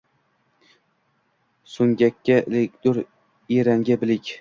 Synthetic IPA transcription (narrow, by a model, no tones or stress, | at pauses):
sʊŋɡʲakʲʰːaelekʲd̪̥ʊɾ | eɾaŋɡʲabɪlɪkʲ